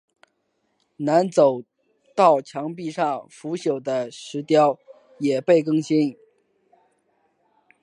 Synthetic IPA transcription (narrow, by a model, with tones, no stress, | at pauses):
na˧˥nt͡so˨˩ʊ | t̪ɑ˥˩ʊt͡ɕʰjɑ˧˥ŋp̬i˥˧ʂɑ˥˩ŋfu˧˥ɕjo˨˩ʊd̪ə˦ʂɻ̩˧˥t̪jɑ˥ʊ | jɛ˨˩pe˥˩ɪkɤ˥˧ŋɕi˥n